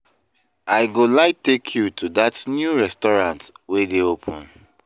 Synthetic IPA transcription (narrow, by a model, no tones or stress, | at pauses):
aɪɡolaɪtekʰjutʰudatnjuɹɛstɔɹãntwedeopʰʊ̃n